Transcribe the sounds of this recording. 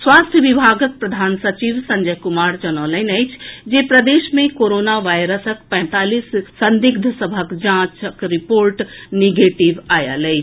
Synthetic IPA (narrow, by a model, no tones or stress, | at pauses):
swaːst̪ʰjəʋibʱaɡək̪̚pɾəd̪ʱaːnsət͡ʃiʋsəɲd͡ʒəɦkumaɾd͡ʒənələɪnəjt͡ʃʰd͡ʒepɾəd̪eʃmẽkoɾonaʋajɾəsəkpɛ̃t̪aːlisːənd̪iɡd̪ʱəsəbʱəkd͡ʒãt͡ʃəkɾipoɾʈniɡeʈiʋajə̰ləjt͡ʃʰ